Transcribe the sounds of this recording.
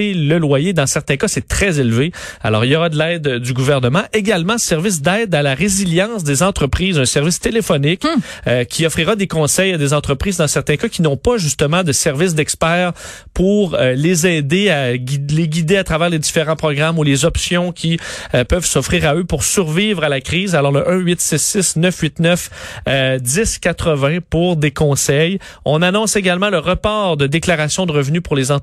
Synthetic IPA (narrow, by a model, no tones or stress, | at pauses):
eləlwajed̪ɑ̃sɛʁt̪ɛ̃kasɛt̪χɛzelvea̰lɔ̰ːʁiljɔʁad̪əlɛːd̪d̪yɡuvɛʁnəmɑ̃ʔeɡʲalmɑ̃sɛʁvɪs̬d̪ɛːd̪alaʁeziljɑ̃s̬d̪ezɑ̃t̪χəpχiːzœ̃sɛʁvɪst̪elefɔnɪk | økʲʰiɔfʁiʁad̪ekɔ̃sɛjad̪ezɑ̃t̪χʁəpχiːzd̪ɑ̃sɛʁt̪ɛ̃kakʲinɔ̃paʒyst̪əmɑ̃d̪əsɛʁvɪs̬d̪ɛkspɛːʁ | puʁlezɛːd̪eaɡileɡʲid̪eat̪ʁavɛːʁled̪ifeʁɑ̃pχɔɡʁamulezɔpsjɔ̃kʲʰiøpœvsɔfʁiːʁaøpʊʁsyʁviːvʁalakʲʁiːzalɔʁləʔœ̃ɥɪt̪sɪsːɪsnœfɥɪt̪nœf | d̪ɪskʲat̪χəvɛ̃puʁd̪ekɔ̃sɛjɔ̰̃nanɔ̃seɡalmɑ̃ləʁəpɑːʁd̪əd̪eklaʁasjɔ̃d̪əʁəvnypʊʁlezɑ̃